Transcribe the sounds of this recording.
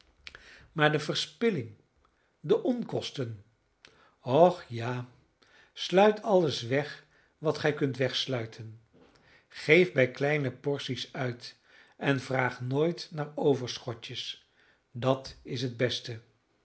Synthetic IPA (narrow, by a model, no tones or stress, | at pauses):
maːɹdəvəɹspɪlɪŋ | dəʔɔnkɔstən | ɔχjaː | slœɥtʰɑləsʋɛχ | ʋɑtχɛjkɵntʋɛχslœɥtʰən | χejvbɛjklɛjnəpɔɹsisœɥt | ɛnvraːχnoːjtnaːɹowvəɹsχɔtəs | dɑtɪs̬ɦəd̚bɛstə